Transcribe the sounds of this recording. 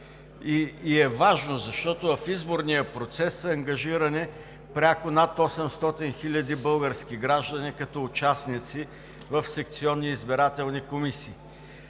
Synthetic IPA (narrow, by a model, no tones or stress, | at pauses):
iːɛvaʒnozɐʃt̪ɔt̪ovɐfizboɾnijəpɾot̪sɛsːɐɐŋɡɐʒiɾɐnɛ | pɾʲakʊnat̪ɔsɛmst̪ɔt̪inxilʲɐd̪ibɤlˠɡəɾskʲiɡɾaʒd̪ɐnikɐt̪ɔːt͡ʃasnit̪si | vɐfsɛk̚t̪siɔnːiːzbiɾat̪ɛlˠnikomisiː